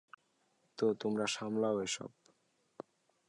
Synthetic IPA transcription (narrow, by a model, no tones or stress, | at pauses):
t̪ot̪omɾaʃamlaoeʃɔ̰b̚